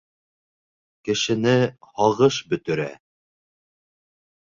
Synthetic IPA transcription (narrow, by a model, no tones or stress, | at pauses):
kɘ̆ʃɘ̆nɘhɑʁɤʃbɵ̆t̪ɵ̆ɾæ̰